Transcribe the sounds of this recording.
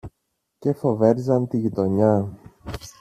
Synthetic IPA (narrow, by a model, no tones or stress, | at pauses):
ce̞fo̞ve̞ɾzɐnt̪iʝit̪o̞ɲɐ